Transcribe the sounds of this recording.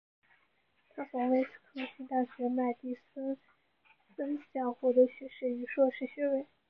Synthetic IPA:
t̪ʰa˥˩fɑ˧˥we˧˥ɪʂ̩˥˩kʰɤ˥˧ɕʰi˥˧t̪a˥˩ɕɥɛ˧˥ma˥˧ɪt̪i˥˩s | sə˥nɕjɑ˥˩ʊxwɔ˥˩d̪ə˧˥ɕɥɛ˧˥ʂɻ̩˥˩y˧˥ʂwɔ˥˧ʂɻ̩˥˩ɕɥɛ˥we˧˩ɪ

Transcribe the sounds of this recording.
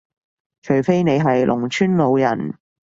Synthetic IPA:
t͡ʃʰɵ˨˩fe˥jne˨˧jɦɐ˨jlʔʊ̰˨˩ŋt͡ʃʰyː˥nlo˨˧wjɐ̰˨˩n

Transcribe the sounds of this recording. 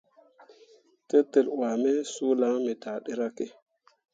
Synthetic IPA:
te˦tːe˨lwa˨me˦su˦la˦ŋme˨ta˨ɗe˦ɾa˦ke˦

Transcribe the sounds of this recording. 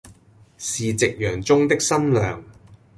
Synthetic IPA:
siː˨t͡sɪ˨k̚jœː˨˩ŋt͡sʊ˥ŋt̪ɪ˥k̚sɐ˥nlœː˨ŋ

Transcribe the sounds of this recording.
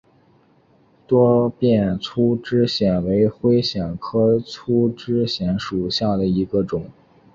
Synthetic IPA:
t̪wɔ˥pjɛ˥˩nt͡sʰu˥ʈ͡ʂɻ̩˥ɕjɛ˨˩nwe˧˥ɪxwe˥ɪɕjɛ˨˩nkʰɤ˥t͡sʰu˥ʈ͡ʂɻ̩˥ɕjɛ˧˥nʂu˨˩ɕja˥˩d̪ə˩i˧˥ɡə˧ʈ͡ʂʊ˨˩˦ŋ

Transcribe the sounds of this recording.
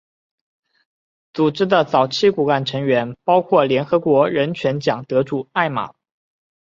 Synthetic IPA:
t͡su˨˩ʈ͡ʂɻ̩˥d̪ə˨t͡sɑ˨˩ʊt͡ɕʰi˥˩ku˨˩ka˥˩nʈ͡ʂʰɤ˧˥ŋɥɛ˧˥npɑ˥ʊkʰwɔ˥˩ljɛ˧˥nxɤ˧˥kwɔ˧˥ɻə˧˥nt͡ɕʰɥɛ˧˥nt͡ɕjɑ˨˩ŋt̪ɤ˧˥ʈ͡ʂu˥˩a˥˩ɪma̰˨˩˦

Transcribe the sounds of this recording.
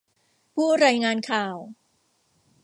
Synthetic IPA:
pʰuː˥˩ɾaː˧jŋaː˧nkʰaː˨˩w

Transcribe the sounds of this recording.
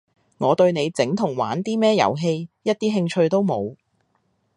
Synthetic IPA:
ŋɔː˨˧t̪ɵ˧ɥne˨˧jt͡sɪ˨˥ŋt̪ʰʊ˨˩ŋwa̰ː˨˥nt̪iː˥mɛː˥jɐ̰˨˩wɦe˧jjɐ˥t̚t̪iː˥ɦɪ˧ŋt͡ʃʰɵ˧ɥt̪o˥wmo̰˨˧w

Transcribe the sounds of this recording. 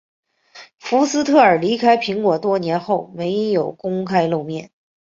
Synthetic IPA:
fu˧˥sɹ̩˥t̪ʰɤ˥˩ə˞˨˩li˧˥kʰa˥ɪpʰi˧˥ŋkwɔ˨˩t̪wɔ˥njɛ˧˥nxo˥˩ʊme˧˥ɪjo˨˩ʊkʊ˥ŋkʰa˥ɪlo˥˧ʊmjɛ˥˩n

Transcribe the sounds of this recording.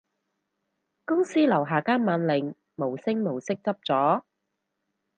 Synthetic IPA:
kʊ˥ŋsiː˥lɐ˨˩wɦaː˨kaː˥nmaː˨˧nlɪ˨ŋ | mo˨˩wsɪ˥ŋmo˨˩wsɪ˥k̚t͡sɐ˥p̚t͡sɔː˨˥

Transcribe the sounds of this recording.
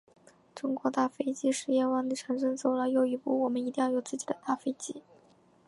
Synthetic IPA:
ʈ͡ʂʊ˥ŋkwɔ˧˥t̪a˥˩fe˥ɪt͡ɕi˥ʂɻ̩˥˧jɛ˥˧wa˥˩ŋli˧˩ʈ͡ʂʰə˧˥ŋʂə˥nt͡so˥˩ʊlə˧˩jo˧˥ʊi˧˩pu˥˩wɔ˨˩mə˧˦ni˧t̪i˥˧jɑ˥ʊjo˨˩ʊt͡sɹ̩˥˩t͡ɕi˨˩d̪ə˦t̪a˥˩fe˥ɪt͡ɕi˥

